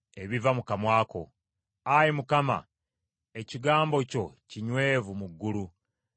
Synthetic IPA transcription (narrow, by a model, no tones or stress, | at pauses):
e̞βivamukamwaːko̞̰ | ajimukama̰ | e̞ciɡaːmbo̞co̞ciɲwe̞ːvumuɡːulu